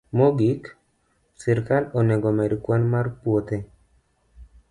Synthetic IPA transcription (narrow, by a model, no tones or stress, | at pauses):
moɡik | sɛɾkaloneɡomɛɾkwanmarpwot̪e